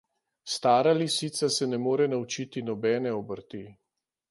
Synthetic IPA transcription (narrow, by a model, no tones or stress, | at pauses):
st̪aːɾalisit̪sasɛnɛmoːɾɛnaut͡ʃit̪inɔbɛːnɛɔbəɾt̪i